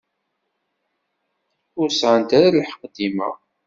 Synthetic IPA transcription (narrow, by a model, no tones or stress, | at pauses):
ʊɾəsʕənt̪aɾalħə̥qd̪imæ̰